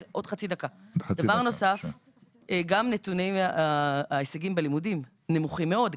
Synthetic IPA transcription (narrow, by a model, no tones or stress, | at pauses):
ʔo̞d̥̪χat͡sid̪akad̥̪avaʁno̞saf | eɡamnet̪uneaaesaɡimbelimudim | ne̞muχimːe̞o̞d